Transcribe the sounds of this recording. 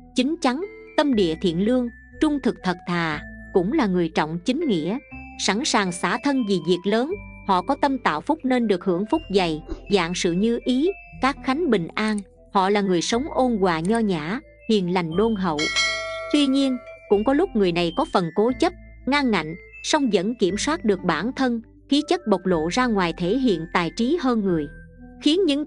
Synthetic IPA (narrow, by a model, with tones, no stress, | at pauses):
t͡ɕï˨˦ŋ̟t͡ɕa˨˦ŋ | t̪ə˧mɗḭ˧˨ət̪ʰḭ˧˨ənlɨ˧əŋ | t͡ɕʊ˧ŋ͡mt̪ʰɨ˨˩k̚t̪ʰə˨˩t̚t̪ʰaː˨˩kʊ̰˧˥ŋ͡mlaː˨˩ŋɨ˨˩əjt͡ɕɔ̰˧˨wŋ͡mt͡ɕï˨˦ŋ̟ŋḭ˧˥əsa˧˩nsaː˨˩ŋsaː˧˩t̪ʰə˧nvi˨˩zi˨˩ək̚ləː˨˦nhɔ̰˧˨kɔ˨˦t̪ə˧mt̪a̰ː˧˨wfʊ˦˥k͡p̚ne˧nɗɨ˨˩ək̚hɨ̰˧˩əŋfʊ˦˥k͡p̚za˨˩jza̰ː˧˨ŋsɨ̰˧˨ɲɨ˧ʔi˨˦kaː˦˥k̚xa˨˦jŋ̟ɓï˨˩ŋ̟ʔaː˧n | hɔ̰˧˨laː˨˩ŋɨ˨˩əjsə˨˦wŋ͡mʔo˧nɣwaː˨˩ɲɔ˧ɲaː˧˩˨ | hḭ˧˨ənla˨˩jŋ̟ɗo˧nɦə̰˧˨wt̪wi˧ɲi˧ənkʊ̰˧˥ŋ͡mkɔ˨˦lʊ˦˥k͡p̚ŋɨ˨˩əjna˨˩jkɔ˨˦fə˨˩nko˨˦t͡ɕə˦˥p̚ | ŋaː˧ŋːa̰˧˨jŋ̟ | sa˧wŋ͡mzə̰˧˥nki˧˩əmswaː˦˥t̚ɗɨ˨˩ək̚ɓaː˧˩nt̪ʰə˧n | xi˨˦t͡ɕə˦˥t̚ɓə˨˩wk͡p̚lo̰˧˨zaː˧ŋwaː˨˩jt̪ʰe˧˩˦ɦḭ˧˨ənt̪aː˨˩jt͡ɕi˨˦ɦəː˧nŋɨ˨˩əj | xi˨˦ənɲɨ̰˧˥ŋ